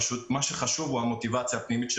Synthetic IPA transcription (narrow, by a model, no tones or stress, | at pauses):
ʃut̪̚maʃeχaʃuvuhamo̞t̪ivat͡sjapnimit̪ʃe